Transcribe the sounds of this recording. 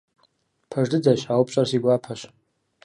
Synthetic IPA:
pʰaʐdɨd͡zaɕħawpʰɕʷʼarsiɡʷapʰaɕ

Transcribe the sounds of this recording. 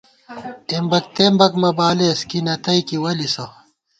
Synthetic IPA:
embɐk̚t̪embɐkmɐbaːleskinɐt̪ɐikiwɐliso

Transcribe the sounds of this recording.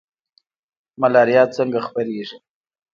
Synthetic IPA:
malɑɾijɑt̪̚t͡səŋɡaxpaɾeʐi

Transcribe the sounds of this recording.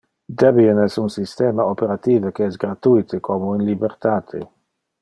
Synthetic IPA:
d̪ɛbienɛsunsist̪ɛːmaopeɾat̪iːvəkeɛsɡɾat̪ujt̪ʰekʰomoinlibeɾt̪aːt̪ʰḛ

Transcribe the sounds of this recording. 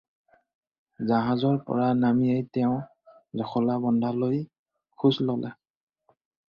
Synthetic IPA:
zaɦazɔɹpɔ̰ɹanamijajtɛʊ̃ | zɔxɔlabɔndʱaloj | kʰuslɔlɛ̰

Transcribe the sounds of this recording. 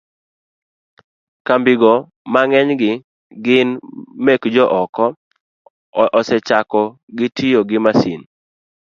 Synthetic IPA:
kambɪɡɔ | maŋɛɲɡɪ | ɡɪnmekd͡ʒɔʔɔkɔ | ʔɔsɛt͡ʃakɔ | ɡɪtʰɪjoɡɪmasin

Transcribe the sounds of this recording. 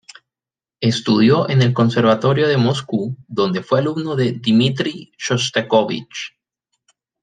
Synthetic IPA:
e̞st̪uðjo̞ʔe̞ne̞lko̞nse̞ɾβat̪o̞ɾjo̞ðe̞moskuðo̞nd̪e̞fwe̞aluβnoðe̞d̪imit̪ɾiʃost̪ekoβḭt͡ʃ

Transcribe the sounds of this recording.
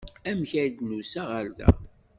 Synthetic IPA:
æmçæjd̪nusæʁəɾðæ̰

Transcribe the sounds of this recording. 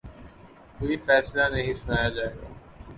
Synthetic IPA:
koːifɛːslanɐɦĩsʊnaːjad͡ʒaːeɡa̰ː

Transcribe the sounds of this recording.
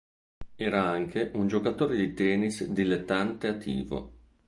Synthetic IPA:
ɛːɾaaŋkʰeʔund͡ʒokat̪oːɾed̪it̪ɛːnisd̪ilet̪ːant̪eat̪ʰːḭːvo̰

